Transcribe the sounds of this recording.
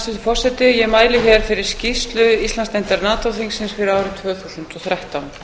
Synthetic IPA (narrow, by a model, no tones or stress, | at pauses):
st̪ɪt̪ɪfɔr̥sɛt̪ɪjɛmaːjlɪçɛɾ̥fɪɾɪɾ̥scist̪lʏist̪lanst̪ɛjnt̪aɾnaːt̪awθiŋsːɪnsfɪɾɪɾaːwɾɪt̪ʰvœːθusʏnt̪ɔθɾaht̪awn